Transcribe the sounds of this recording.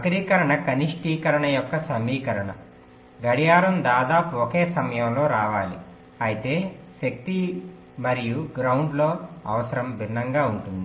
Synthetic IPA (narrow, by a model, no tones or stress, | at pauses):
ɐkɐɾiːkɐɾɐɳɐkɐniʂʈiːkɐɾɐɳɐjɔkːɐsɐmiːkɐɾɐɳɐ̰ | ɡɐɽijaːɾɐmd̪aːd̪aːpuɔkeːsɐmɐjɐmloːɾaːʋaːli | ɐjit̪e̞ːʃɐk̚t̪i | mɐɾijuɡɾɐwɳɖlo̞ːɐ̰ʋɐsɐɾɐmbʱinːɐŋɡaːuɳʈund̪i